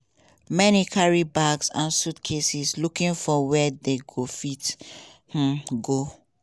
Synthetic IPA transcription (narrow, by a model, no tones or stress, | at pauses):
mɛnikʰaɹibaɡsãnsutkʰesislukĩnfɔwɛdeɡofith̩ɡo